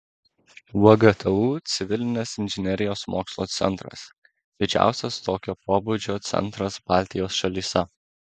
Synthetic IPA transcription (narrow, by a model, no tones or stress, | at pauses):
ɔɡɐt̪ʰʲɐuːt̪sʲɪʋʲɪlʲɪnʲɛsɪnʲʒʲɪnʲɛɾʲɪjoːsmo̰ːkslˠoːt̪sʲɛ̰nt̪ɾɐ̰s | d̪ʲɪd͡ʒʲæ̰ˑʊsʲɛst̪oːkʲoːpoːbud͡ʒʲoːt̪sʲɛ̰nˑt̪ɾɐsb̥ɑˑlʲt̪ʲɪjoːsʃɐlʲiːsʲɛ